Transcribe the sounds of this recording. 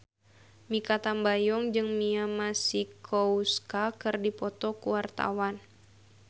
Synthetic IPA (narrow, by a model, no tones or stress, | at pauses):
mikat̪ambajɔŋd͡ʒɨŋmiamasikʰɔuskakɨrdipɔt̪ɔkuwart̪a̰wan